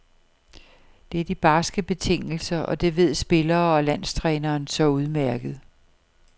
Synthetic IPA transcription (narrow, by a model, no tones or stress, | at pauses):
d̥e̝æɐd̥ib̥ɑ̈ːsɡ̥əb̥e̝t͡sʰe̝ŋ̰l̩sɐʔɒ̽d̥e̝ʋe̝ð̞̰ˠsb̥e̝lɐːɒ̽læn̰st͡sʰʁɛːnɐːnsɒ̽uð̞ˠmæɐ̰ɡ̥ð̞̩ˠ